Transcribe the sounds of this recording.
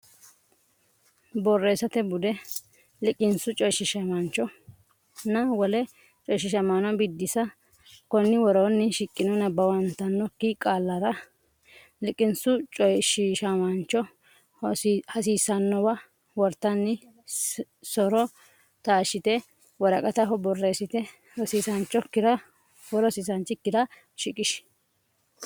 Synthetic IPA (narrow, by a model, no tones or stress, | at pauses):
bɔrːeːsɐt̪ɛbʊd̪ɛ | lɪkʼːɪnsʊt͡ʃʼɔjʃɪʃɐmɐnt͡ʃːɔ | nɐwɔlɛ | t͡ʃʼɔjʃ̬ːɪʃɐmanɔbɪd̪ːɪsɐ | kɔnːɪwɔɾonːɪʃɪkʼːɪnɔnɐbɐwɐnt̪ːɐnːɔkːikʼaːlːɐɾɐ | lɪkʼːɪnsʊt͡ʃʼɔjʃiʃɐmɐnt͡ʃːɔ | hɐs̬iːsɐnːɔbɐ | wɔɾt̪ːɐnːɪ | sɔɾɔ | t̪aːʃɪt̪ɛ | wɔɾɐkʼɐt̪ɐɦɔbɔrːeːsɪt̪ɛ | ɔsiːsɐnt͡ʃːɔkːɪd̪ɐ | wɔɾɔsiːsɐnt͡ʃːɪkːɪd̪ɐ | ʃɪkʼɪʃ